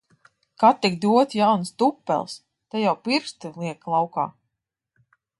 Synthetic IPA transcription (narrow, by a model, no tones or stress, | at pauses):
kat̪ːikd̪uɔt̪ʲjawnst̪upːɛ̰lˠs | t̪ajawpiɾst̪ɨlˠiɛklˠawka̰ː